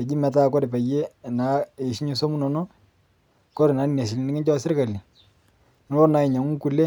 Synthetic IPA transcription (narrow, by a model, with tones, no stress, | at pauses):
ɛ˨d͡ʒi˦mɛ˨ta˦˨kɔ˦ɾɪ˨pa˨je˦˨na˨˦e˨ʃi˦ɲe˦so˦mu˦nɔ˨nɔ˦ | kɔ˦ɾe˨na˨˦ni˦ne˨s̬i˨li˨nɪ˦kɪ˦ɲt͡ʃɔ˦sɪ˦rka˨li˨ | n˦ɔ˦na˨ɪ˨ɲa˨ŋu˦ku˨le˦